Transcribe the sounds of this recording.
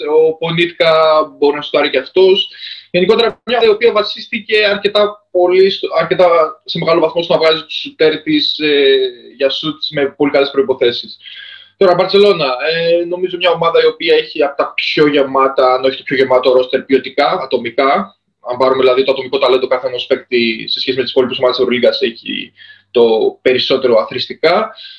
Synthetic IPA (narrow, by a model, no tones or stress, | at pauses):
opo̞nit̪kɐbo̞ɾinɐsu̥t̪ɐɾiceɐft̪o̞sʝe̞niko̞t̪eɾɐmɲɐio̞piɐvɐsist̪ice̞ɐɾce̞t̪ɐpo̞lisɐɾce̞t̪ɐse̞meɣɐlovɐθmosonɐvɣɐzit̪u̥sut̪e̞ɾt̪iseʝɐsut̪sme̞po̞likɐle̞spɾo̞ipo̞θe̞sist̪o̞ɾɐvɐɾt̪t͡se̞lo̞nɐeno̞mizo̞mɲɐo̞mɐðɐio̞piɐeçiɐpo̥t̪ɐpço̞ʝe̞mɐt̪ɐɐnoeçit̪o̞pço̞ʝe̞mɐt̪oɾo̞st̪e̞ɾpio̞t̪ikɐːt̪o̞mikɐ | ɐmbɐɾumeðilɐðit̪oɐt̪o̞miko̞t̪ɐled̪o̞kɐθeɐnospe̞kt̪ise̞sçesimet̪ispolipuso̞mɐðesivɾoliɡɐseçḭt̪o̞pe̞ɾiso̞t̪e̞ɾo̞ɐθɾist̪ikɐ